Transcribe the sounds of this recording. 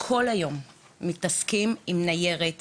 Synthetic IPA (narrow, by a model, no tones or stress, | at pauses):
kʰo̞lajo̞mː | itaskimimnaje̞ʁet